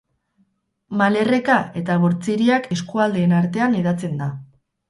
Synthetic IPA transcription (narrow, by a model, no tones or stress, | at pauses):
male̞re̞kae̞t̪aβ̞o̞ɾt͡siɾiake̞skuald̪e̞ːnaɾt̪e̞aniðat͡se̞nd̪a